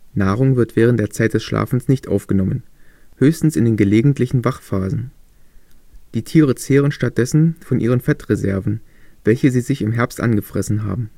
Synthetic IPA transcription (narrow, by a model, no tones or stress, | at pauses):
naːʁ̞ʊŋvɪɐtv̥ɛːʁəntd̥eːɐt͡saɪt̚d̥ɛsʃlʔa̰ːfn̩snɪçtʔa̰ʊfɡ̥ənɔmənhøːçstn̩sɪndeːnɡəleːɡŋ̩tʰlɪçn̩vaχfaːzn̩ | d̥iːtʰiːʁət͡seːʁ̞ənʃtat̚d̥ɛsn̩fɔnʔiːʁ̞ənfɛtʁezɛɐvn̩v̥ɛlçəziːzɪçɪmɦɛɐpstʔa̰nɡəfʁ̥ɛsn̩ɦa̰ːbm̩